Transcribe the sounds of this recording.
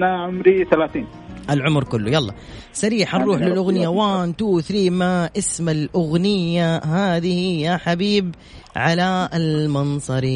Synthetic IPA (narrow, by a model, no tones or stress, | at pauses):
naʕʊmɾiθalaːθiːn | ʔɪlʕʊmɾkʊlːʊjɑlˤːɑ̰ | saɾiːħanˤːuːħlɪlʔʊɣnɪjawaːnt̪uːθɾiːmaʔɪsmalʔʊɣnɪjːaɦaːðɪhɪjaħabiːb | ʕalaɪlmɑnsˤɑɾi